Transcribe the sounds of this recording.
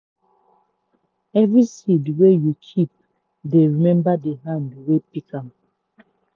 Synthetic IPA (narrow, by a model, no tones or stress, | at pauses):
ɛvɹisidwejukʰip̚ | deɹimɛ̃mbadeɦãndwepikʰãm